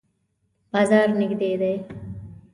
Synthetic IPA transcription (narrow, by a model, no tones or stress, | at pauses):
baːzaːɾnɪɡd̪eːd̪ɐj